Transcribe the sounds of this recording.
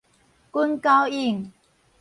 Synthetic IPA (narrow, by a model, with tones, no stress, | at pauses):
ku˥nka˥wi˥˧˩ŋ